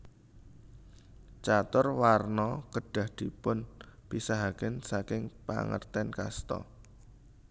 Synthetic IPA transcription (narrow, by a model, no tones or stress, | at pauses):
t͡ʃat̪ʊrwarnɔkəɖ̥a̤hd̪̥i̤pʊnb̥isaɦakənsakɪŋpa̰ŋə̰rt̪ɛnka̰st̪ɔ̰